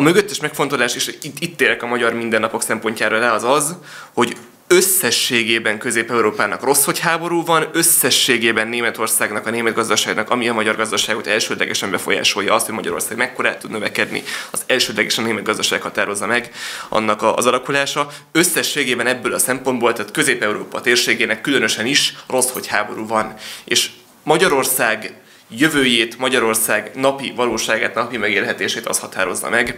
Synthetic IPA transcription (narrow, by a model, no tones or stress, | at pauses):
ɒmøɡøt̪ːɛʃmɛkfo̞nt̪o̞laːʃeːʃit̪ːit̪ːeːlɛkɒmɒɟɒrmind̪ɛnːɒpo̞ksɛmpo̞ɲcaːɾolɛɒzɒz | ho̞ɟ | ø̞sːɛʃːeːɡeːbɛŋkø̞zeːpɛuɾoːpaːnɒkro̞sho̞chaːbo̞ɾuːvɒnø̞sːɛʃːeːɡeːbɛnːeːmɛt̪o̞rsaːɡnɒkɒneːmɛd̪ɡɒzd̪ɒʃaːɡnɒkɒmiɒmɒɟɒrɡɒzd̪ɒʃaːɡo̞t̪ɛlʃøːd̪lɛɡɛʃɛmbɛfo̞̰ja̰ːʃo̞jɒɒst̪ho̞ɟmɒɟɒ̰ɾo̞̰rsaːɡmɛkːo̞ɾa̰ːt̪ud̪nøvɛkɛd̪nḭɒzɛlʃøːd̪lɛɡeːʃɒneːmɛt̪̚ɡɒzd̪ɒʃaːɡhɒt̪aːɾo̞zːɒmɛɡɒ̰nːɒkɒzɒlɒkulaːʃɒ | øsːɛʃːeːɡeːbɛnɛbːøːlɒsɛmpo̞nd̪bolt̪aːt̪kø̞zeːpɛuɾoːpɒt̪eːrʃeːɡeːnɛkːylø̞nø̞ʃɛniʃro̞sho̞chaːbo̞ɾuːvɒneːʃ | mɒɟɒɾo̞rsaːɡ | jøvøːjeːt̪mɒɟɒɾo̞rsaːɡnɒpivɒloːʃaːɡaːt̪nɒpimɛɡeːlɦɛt̪eːʃeːt̪ɒ̰shɒt̪aːɾo̞zːɒ̰mɛɡ